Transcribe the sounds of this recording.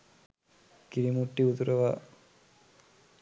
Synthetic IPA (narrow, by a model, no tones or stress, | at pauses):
kiɾimuʈːiut̪uɾəʋa